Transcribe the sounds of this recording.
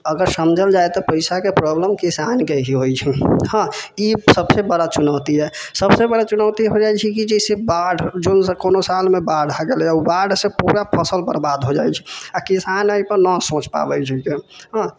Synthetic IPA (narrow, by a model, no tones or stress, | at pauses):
əɡəɾsəmd͡ʒʱəld͡ʒajt̪ɔpəɪsakepɾɔbləmkisankeɦiɦojt͡ʃʰihãisəbsebəɽat͡ʃunəʊt̪id͡ʒaesəbsebəɽat͡ʃunəwt̪iɦod͡ʒajt͡ʃʰikid͡ʒɛsebaɖʱd͡ʒonkonosalmebaɖʱɦaɡelubaɖsẽpuɾapʰəsəlbəɾbad̪ɦod͡ʒajt͡ʃʰi̥akisanəipəɾnəsõt͡ʃpa̰bɛt͡ʃʰikeɦã